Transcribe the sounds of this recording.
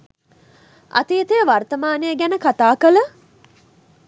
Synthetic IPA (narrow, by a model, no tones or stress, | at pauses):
ɐ̰t̪it̪ejəʋart̪əmaːnejəɡænəkat̪aːkələ